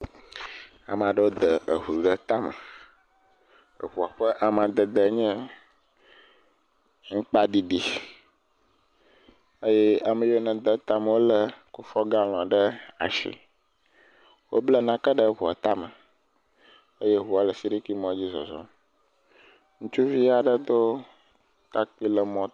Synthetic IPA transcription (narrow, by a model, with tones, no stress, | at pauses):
a̰˨m˨a˨ɖə˦wo˦d̪ə˨ʔə˨ɦu˨ɡə˦t̪a˦mə̰˨ | ə̰˨ɸu˨a˨ɸə˦ʔa˨m˨a˨d̪ə˨d̪ə˨˦ɲɛ̃˦ | ŋ̩˦k͡pa˦ɖi˦ɖi˨ | ə˦jɛ˦a˨mə˨jo˦nə̃˨d̪ə˦t̪a˦mə˨wo˦lə˨ku˨fɔ˦ɡa˦l̃ɔ̃˨ɖə˦a̰˨ʃḭ˨ | wo˦blə˦nã˦kə˦ɖə˦˨ɸu˨a̰˨t̪a˦mə˨ | ə˦je˦ɦu˨˦a˨lə˨si˦ɾi˦ki˦mɔ̃˦d͡ʑi˦zɔ̰˨zɔ̰˦m | ŋũ˦t͡ʃu˦vi˦a˨ɖə˦d̪o˦ | t̪a˦k͡pi˦lə˨mɔ̃˦